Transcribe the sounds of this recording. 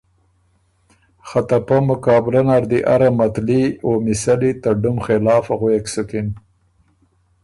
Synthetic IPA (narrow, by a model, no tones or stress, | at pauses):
xat̪apamʊkɑːbɾanaɾd̪iʔa̰ɾamat̪liomisalit̪aɖumxelɑːfaɣweksʊkɪn